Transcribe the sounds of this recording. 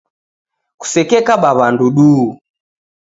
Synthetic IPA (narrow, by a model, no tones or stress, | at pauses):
ku̥sɛkɛkaɓaβanduɗuː